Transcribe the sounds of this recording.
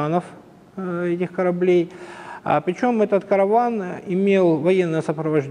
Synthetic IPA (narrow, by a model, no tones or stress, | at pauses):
anəf | ɛtʲɪxkəɾɐblʲej̰ | pɾʲɪt͡ɕo̞mɛt̪ət̪kəɾɐvanɪmʲelˠvɐjenːəjəsəpɾəvɐʐʲ